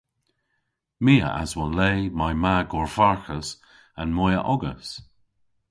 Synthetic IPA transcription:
miːə̰ʔa̰zwɔnleːmajmaɡɔɹfaɹxəs | anmɔjə̰ʔɔɡə̰s

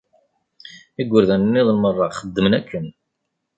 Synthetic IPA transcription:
iɡʷːəɾðænənːɪðˤəlmərˤːɑχəd̪ːəmənækʰːən

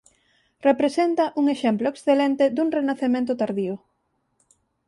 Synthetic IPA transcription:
repɾesent̪ɐʔuŋeʃɛmploeksθelent̪ed̪uŋrenaθemẽnt̪ʊt̪aɾðiʊ

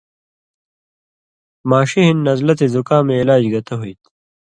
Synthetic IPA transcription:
maːɕiɦinːɐzlɐt̪ezukãːmẽːlaːd͡ʑɡɐt̪ʰɐɦuit̪

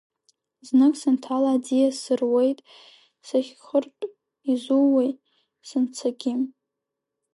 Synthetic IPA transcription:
znɨkʼsɨntʰalaːd͡zijasɨrwe̞jtʼ | saχʲχərpʼ | izuwej | sɨnt͡sʰaɡʲɪm

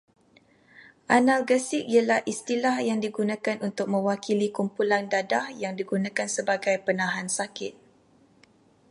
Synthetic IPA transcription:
ʔanalɡəsɪk̚ijalahʔist̪ilahjaŋdiɡunãkanʔunt̪ʊk̚mə̃wakilikumpulandadahjaŋdiɡunãkansəbaɡajpənãɦansakɪt̪̚

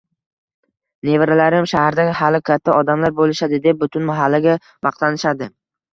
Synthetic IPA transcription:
ne̞vɾalaɾɪmʃahaɾd̪ahalɪkʲʰat̪ʰːaɒd̪amlaɾbolɪʃad̪ɪd̪e̞p̚bʊt̪ʰʊnmaɦalːaɡʲa | bɑq̚t̪anɪʃad̪ɪ

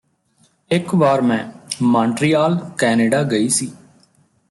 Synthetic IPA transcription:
ɪkʋaːɾmɛ̃ːmãːɳʈɾiːaːlkɛːneːɖaːɡəiːsiː

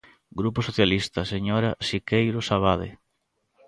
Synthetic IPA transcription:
ɡɾuposoθjalist̪ɐseɲoɾasikejɾosaβ̞aðḛ

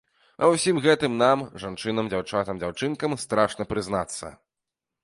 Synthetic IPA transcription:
ɐ̰wsʲimɣɛt̪ɨmnamʐant͡ʂɨnɐmd͡zʲawt͡ʂat̪ɐmd͡zʲawt͡ʂɨnkɐmst̪ɾaʂnɐpɾɨznat̪sːɐ̰

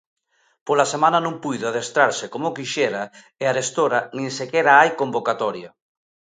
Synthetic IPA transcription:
polasemãnanõŋpujðoaðest̪ɾaɾsekomokiʃɛɾa | ɪaɾest̪oɾanĩŋsekɛɾaajkombokat̪ɔɾja

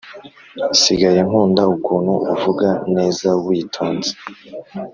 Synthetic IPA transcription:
siɡaje̞ŋ̥uːndaukuːnhuʔuvuɡane̞ːzawiːtʰoːnze̥

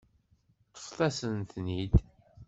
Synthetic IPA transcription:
t̪ːə̥ftˤæsənt̪nid̪

